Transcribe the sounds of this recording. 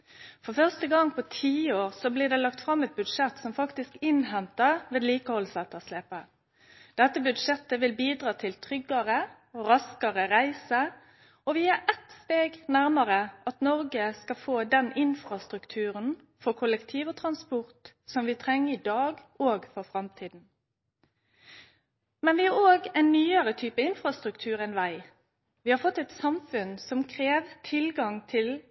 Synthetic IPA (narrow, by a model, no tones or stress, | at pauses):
fɔfœʁst̪əɡɑŋːpʰɔt̪ʰiːoːɾsɔblɪːʁd̪ɛlɑkt̪fɾɑmɛt̪̚bʉd̪ʂɛt̪sɔmfɑkt̪ɪskɪnɦɛnt̪əʁʋeːd̪liːkəhɔlsɛt̪ːəʁsleːpə | d̪̥ɛt̪ːəbʉd̪ʂɛt̪ːəʋɪlbiːd̪ʁɑːt̪ʰɪlt̪ʰɾʏɡːɑɾə | ɔɾɑskəɾəɾæɪsə | ɔʋɪæɾʔɛt̪st̪eːɡnæɾmɑɾəʔɑt̪nɔɾɡəskɑfoːd̪ɛnɪnfʁɑst̪ʁʉkt̪ʰʉːʁən | fɔʁkʰʊləkt̪ʰiːʋot̪ʰʁɑnspɔʁt̪ | sɔmʋɪːt̪ʰɾɛŋːəɪd̪ɑːɡoːɡfɔʁfɾɑmt̪ʰiːd̪n̩ | mɛnʋɪæoːɡɛɪnːyːəɾət̪ʰyːpəɪnfʁɑst̪ʁʉkt̪ʰʉːɾɛnʋæɪ | ʋɪːhɑɾfɔt̪ːɛt̪sɑmfʉnsɔmkʰɾeːʋt̪ʰɪlɡɑŋt̪ʰɪl